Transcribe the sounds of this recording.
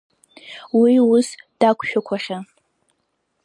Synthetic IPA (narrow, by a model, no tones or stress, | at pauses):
wiʊsd̥akʷʰʼʃᶣʊkʷʰaχʲa